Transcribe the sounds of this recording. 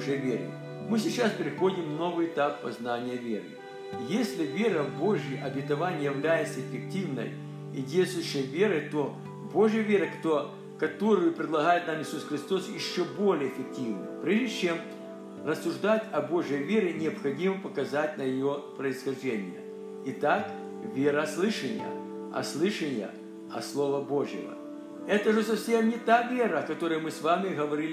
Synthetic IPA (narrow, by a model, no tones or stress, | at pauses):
ʐɪjəvʲeɾɨ̰ | mɨsʲɪt͡ɕaspʲɪɾʲɪxo̞dʲɪmno̞vɨjɪt̪apːɐznanʲɪjəvʲeɾɨ̰ | jesʲlʲɪvʲeɾəbo̞ʐjɪjʔɐbʲɪt̪ɐvanʲɪjɪvlʲæjɪt̪səɪfʲɪk̚tʲivnə̰j | idʲeljʲst̪ʊjɕːəjvʲe̞ɾəjt̪o̞ | bo̞ʐjəvʲe̞ɾəkt̪o | kɐt̪o̞ɾɨjʊpɾʲɪd̪lˠɐɣajɪt̪̚namjɪsusxɾʲɪst̪o̞sjɪɕːobo̞lʲɪjəɪfʲɪk̚tʲivnɨ̰mpɾʲeʐdʲɪt͡ɕe̞m | rəsːʊʐd̪atʲɐbo̞ʐjəjvʲeɾʲɪnʲɪɐpxɐdʲiməpɐkɐzatʲnɐjɪjopɾəɪsxɐʐdʲenʲɪjə̰ | ɪt̪ak | vʲeɾəslˠɨʂənʲɪ̰jə̰ | ɐ̰slˠɨʂənʲɪjə̰ | ɐ̰slˠo̞vəbo̞ʐjɪ̰və̰ | ɛt̪əʐɨsɐfsʲe̞mnʲɪt̪avʲe̞ɾəɐkɐt̪o̞ɾɨjəmɨsvamʲɪɣəvɐɾʲilʲ